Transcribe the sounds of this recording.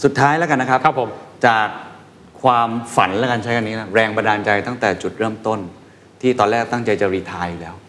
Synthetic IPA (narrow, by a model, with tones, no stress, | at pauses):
su˨˩t̪ʰːaː˦˥jlɛː˦˥ka˧nːa˦˥kʰɾpkʰpʰmt͡ɕaː˨˩k̚ʰː | waː˧mfa̰˩˦nlɛː˦˥ka˧nt͡ɕʰa˦˥jka˧nːiː˦˥la˦˥ɾɛː˧ŋba˧ndaː˧nt͡ɕa˧jt̪a˥˩ŋt̪ɛː˨˩t͡ɕu˨˩t̪̚ɾɤː˥˩mt̪o˥˩n | t̪ʰiː˥˩t̪ɔː˧nlɛː˥˩k̚t̪a˥˩ŋt͡ɕa˧jt͡ɕa˨ɾiː˧t̪ʰaː˧jːu˨˩lɛː˦˥w